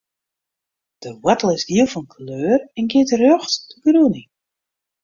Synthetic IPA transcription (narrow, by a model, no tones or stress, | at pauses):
d̥əwatəl̩ˠɪzdiəlˠfɔnkʰløːrɛnɡɪətərøxtdəɡruni